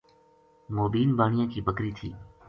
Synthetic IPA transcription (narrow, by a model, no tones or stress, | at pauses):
moːbiːnbaːɳ̃ɪjãːkiːbəkɾiːt̪ʰḭː